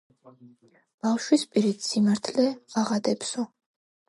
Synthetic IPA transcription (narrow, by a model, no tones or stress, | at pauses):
b̥afʃwispʼiɾit̪ʰsimaɾt̪ʰlɛaʁad̪ɛpsɔ